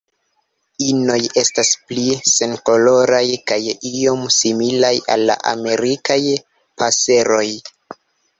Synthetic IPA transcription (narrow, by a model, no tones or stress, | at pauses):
ino̞je̞stasplise̞nko̞lo̞ɾajkajio̞msimilaja̰lːa̰ʔa̰me̞ɾikaj | pʰase̞ɾo̞j